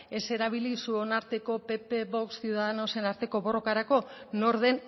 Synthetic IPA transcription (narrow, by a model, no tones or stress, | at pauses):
e̞se̞ɾaβ̞ilisuo̞naɾt̪e̞ko̞pe̞pe̞βo̞kssiuðaðenaose̞naɾt̪e̞ko̞βo̞ro̞kaɾako̞no̞ɾðe̞n